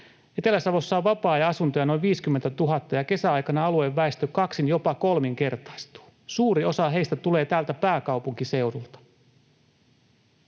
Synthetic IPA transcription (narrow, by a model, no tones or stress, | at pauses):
et̪e̞læsɑʋo̞sːɑːʋʋɑpɑːjɑɑsunt̪ojɑno̞jʋiːskymːent̪æt̪uɦɑt̪ːɑjɑke̞sæɑjkɑnɑɑlueʋːæest̪økɑksinjo̞pɑko̞lmiŋke̞rt̪ɑ̥ist̪u̥ː | suːɾio̞sɑɦe̞ist̪æt̪ule̞ːt̪æːlt̪æpæːkɑwpuŋkise̞urult̪ɑ̥